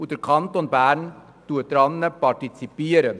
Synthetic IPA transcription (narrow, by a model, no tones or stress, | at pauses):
ʉt̪əɾkʰɑnt̪ɔnbæːɳ | t̪uːət̪ɾɑnnəpɑʈɪsɪpeːɾə